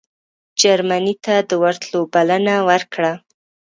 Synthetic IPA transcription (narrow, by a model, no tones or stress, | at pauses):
d͡ʒaɾmanit̪ad̪əwaɾt̪lobalanawəɾkɽa